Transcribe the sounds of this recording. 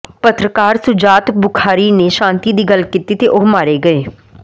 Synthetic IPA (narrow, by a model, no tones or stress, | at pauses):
pət̪ɾəkaːɾsʊd͡ʒaːt̪bʊkʰaːɾiːneːʃãːnt̪iːd̪iːɡəlkit̪iːt̪eːʔoɦmaːɾeːɡəeː